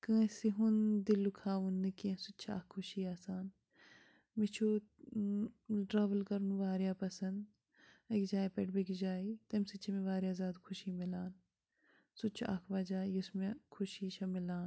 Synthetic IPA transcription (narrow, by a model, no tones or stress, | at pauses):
kɐ̃ːsiɦund̪ilukʰaːʋunːɐkẽsutːt͡ʃʰa̰ːkʰːʊʃiaːsaːn | mit͡ʃʰu | ɖɾaːʋəlkɐɾunʋaːɾjapɐsɐnd̪ | ɐkd͡ʒaːipeʈbekd͡ʒaːit̪ɐmsit͡ʃʰimeʋaːɾjaːzaːd̪kʰʊʃimilaːn | sut͡ʃʰa̰ːkʰʋaːd͡ʒaːiʊsmẽkʰʊʃiʃɐmɪlaːn